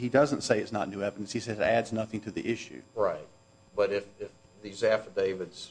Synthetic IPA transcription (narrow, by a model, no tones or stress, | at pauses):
hidʌzə̃ntseɪɨtsnə̰tⁿnʉɛvɨɾⁿn̩shisɛzɨɾædznʌθɪ̃ŋtʰɨðḭʔɪʃʉ̰ɹaɪt̚ | b̥ʌɾɪfɪf | ðizæfədeɪvɨdz̥